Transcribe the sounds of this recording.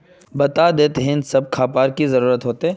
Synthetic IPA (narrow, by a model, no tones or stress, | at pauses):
bɐt̪ad̪eːt̪eɦɪ̃nsɐb̚kʰaːpaːɾkizɐɾuːɾət̪ɦoːt̪eɦeː